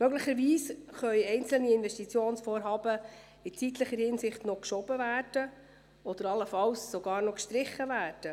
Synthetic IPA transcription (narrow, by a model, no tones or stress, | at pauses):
mœɡlɪχəɾviːsχœʏjɛɪnt͡sl̩niɪnvɛstit͡sjoːnsfɔːɾɦɑːbə | ɪt͡sit̪ləχəɾhɪnsɪχtnɔkʃɔb̥əvæːrd̥ə | ɔd̪əɾɑləfɑwsːoɡɑːɾnɔkʃtɾɪχəvæːrd̥ə